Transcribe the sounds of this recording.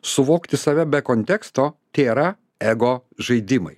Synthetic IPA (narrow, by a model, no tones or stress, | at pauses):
sʊʋoːkt̪ʲɪsɐʋʲɛbʲɛkoːnʲt̪ʲɛkst̪oːt̪ʲeːɾɑː | ɛɡoːʒɐɪd̪ʲɪmɐ̰ɪ